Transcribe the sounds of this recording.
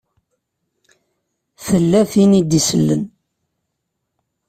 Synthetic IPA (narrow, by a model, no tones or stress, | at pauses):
θəlːæθinid̪isəlːən